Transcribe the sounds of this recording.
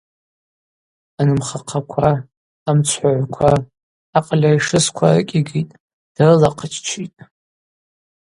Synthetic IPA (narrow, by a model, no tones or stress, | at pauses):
anɨmχaqʰakʷʰaː | mt͡ʃʷʰħaʕʷkʷʰaː | qʼalʲaiʂɨskʷʰa̰rɨ̰kʲʼiɡʲitʼ | d̥arɨlaqʰət͡ʃʰt͡ʃʷʰitʼ